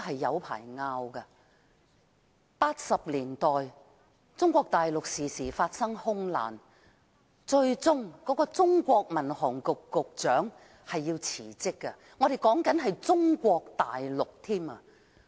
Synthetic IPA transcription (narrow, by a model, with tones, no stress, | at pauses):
ɦɐ˨jːɐ˨˧wpʰa̰ː˨˩jŋaː˧wkɐ˧ | paː˧t̚sɐ˨p̚liː˨˩nt̪ɔː˨j | t͡sʊ˥ŋkʷɔː˧k̚t̪aː˨jlʊ˨k̚siː˨siː˨˩faː˧t̚sɐ˥ŋhʊ˥ŋla̰ː˨˩n | t͡ʃɵ˧ɥt͡sʊ˥ŋkɔ˨˥kɔː˧t͡sʊ˥ŋkʷɔː˧k̚mɐ˨˩nhɔː˨˩ŋkʊ˨kːʊ˨k̚t͡ʃœː˨˥ŋ | hɐ˨jːiː˧wt͡sʰiː˨˩t͡sɪ˥kːɐ˧ | ŋɔː˨˧ɾe˨jkɔː˨˥ŋkɐ˨˥nɦɐ˨jt͡sʊ˥ŋkʷɔː˧k̚t̪a̰ː˨jlʊ˨k̚t̪ʰiː˥mɐ˧